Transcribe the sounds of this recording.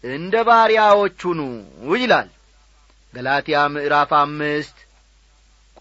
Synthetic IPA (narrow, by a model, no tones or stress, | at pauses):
ʔɨnd̪əβaɾijawot͡ʃːunuwʊjɪlal | ɡəlat̪ʰijamɨʔɨɾafamːɨst̪ | kʼ